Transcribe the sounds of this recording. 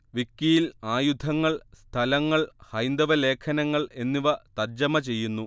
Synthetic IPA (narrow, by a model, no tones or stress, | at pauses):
ʋikːijilaːjud̪ʱɐŋːɐɭst̪ʰɐlɐŋːɐɭhɐjnd̪ɐʋɐle̞ːkʰɐnɐŋːɐɭe̞nːiʋɐt̪ɐrd͡ʑɐmɐt͡ɕe̞jːunːu